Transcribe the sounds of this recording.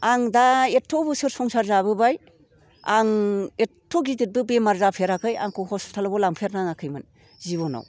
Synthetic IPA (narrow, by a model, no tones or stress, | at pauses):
aŋdaetʰːɔbɯsɯɾsɔŋsaɾzabɯbaj | aŋetʰːɔɡidit̚bɯbemaɾzapʰeɾakʰɯja̰ŋkʰɔhɔstʰalabɔlaŋpʰeɾnaŋakʰɯjmɯn | zibɔnɔ̰w